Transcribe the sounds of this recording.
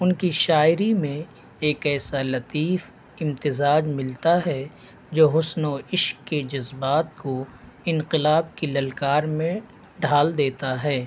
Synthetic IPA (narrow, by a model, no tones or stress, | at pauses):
ʊnkiʃaːɪɾimẽ | eːkɛːsalɐt̪iːf | ɪ̃mt̪ɪzaːd͡ʒmɪlt̪aɦɛ | d͡ʒoːɦʊsnoɪʃkːed͡ʒɐzbaːt̪̚ko | ɪ̃nqɪlaːb̚kilɐlkaːɾmẽ | ɖʱaːld̪eːt̪aɦɛː